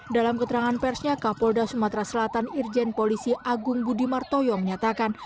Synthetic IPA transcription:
dalamkət̪əɾaŋanpɛrsɲakapɔldasumat̪ɾasəlat̪anird͡ʒɛnpolisiʔaɡʊŋbudimart̪ojɔməɲat̪akan

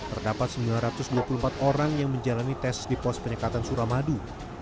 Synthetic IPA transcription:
t̪ərdapat̪̚səmbilanɾat̪ʊsduapulumpat̪oɾaŋjaŋməɲd͡ʒalanit̪ɛsdipɔs̚pəɲəkat̪ansuɾamadu

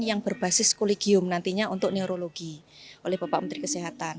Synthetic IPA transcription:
jaŋb̥ərb̥a̤sɪskoleɡ̥iʊmnant̪iɲaʔunt̪ʊʔneoɾoloɡ̥i | olɛhb̥a̤paʔmənt̪ɾikəsiɦat̪an

